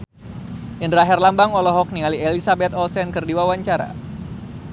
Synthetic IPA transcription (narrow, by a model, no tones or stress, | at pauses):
ʔəndɾaɦɛrlambaŋɔlɔɦɔk̚nialielisabɛt̪ɔlsɛnkɨrdiwawaɲt͡ʃaɾa̰